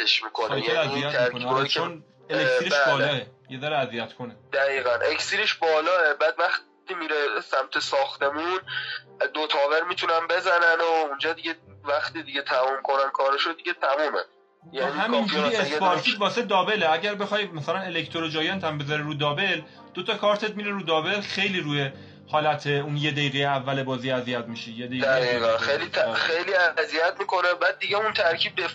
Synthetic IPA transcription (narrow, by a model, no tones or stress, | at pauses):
eʃmiːkʰonːjjelæzijjæt̪ɾoet͡ʃʰon | eleksileʃblɒːlɒːejed̪ɒɾeæzijæt̪kʰoned̪̥æɣiːɣænʔeksiɾeʃbɒːlɒːebæːd̪væx | t̪imiɾesæmt̪ʰesɒːxt̪e̞mun | d̪ot̪ʰɒːveɾmit̪ʰunænbe̞zænænound͡ʒɒːd̪iɟevæxt̪id̪iɟet̪ʰæmuːmkʰo̞nænkʰɒːɾeʃod̪iɡet̪ʰæmuːmḛ | jænihæmind͡ʒuiespɒɾt̪ʰiːd̪vɒːsed̪ɒːbe̞leæɟæɾbe̞xɒjmæsælæne̞lekt̪ʰoɾod͡ʒɒːjɒːnt̪ʰæmbezɒɾiɾuːd̪ɒːbe̞l | d̪ot̪ʰɒkʰɒːɾt̪ʰe̞t̪miɾeɾuːd̪ɒːbe̞lxe̞jliːɾuːje | hɒːlæt̪ʰe̞unje̞d̪ejiːɣejeævːælebɒːziːæzijæt̪̚miʃijed̪ejd̪æeiɣænejlit̪ʰæxejliæzijæt̪̚miːko̞nebæd̪̚ːiɡeunt̪ʰæɾcʰiːb̚d̪e